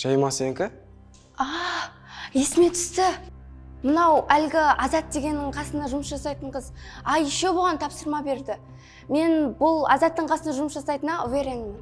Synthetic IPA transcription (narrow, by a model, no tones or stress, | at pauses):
ʒ̥ɑjmɑseŋkʲɪ | ɑ | je̞sɪme̞t̪ʰʏ̥st̪ɪ | mənɑwælɡʲɪɑzɑt̪̚d̪e̞ɡʲe̞nːɪɴqʰɑsənɑʒʊməsʒɑsɑjt̪əɴqəzɑjʃeboʁɑnt̪ʰɑpsəɾmɑbe̞ɾd̪ɪ | me̞nbʊlˠɑ̰zɑt̪ːəɴqʰɑsənɑʒʊməsʒɑsɑjt̪ənɑveɾeŋɪn